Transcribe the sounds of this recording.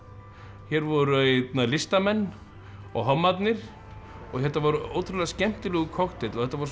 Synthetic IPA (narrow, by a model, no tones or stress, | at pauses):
çɛɾvɔɾʏt̪nalɪst̪amɛnː | ɔ̰ɣɦɔmːat̪nɪɾ̥ | ɔɣhɛht̪ːavɔɾʏo̰ːwt̪ʰɾʏlɛɣascɛm̥t̪ɪlœɣʏkʰɔxt̪ɪt̪lɔθɛht̪ːavɔɾ